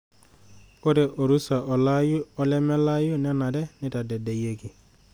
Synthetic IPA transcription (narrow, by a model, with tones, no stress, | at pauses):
o˦ɾe˨ʔo˨ɾu˦sa˨ɔ˨la˦ɔ˦lɛ˦mɛ˦la˦jʊ˦nɛ˦na˨dɛ˦nɪ˦ta˨dɛ˨de˨je˦ki˨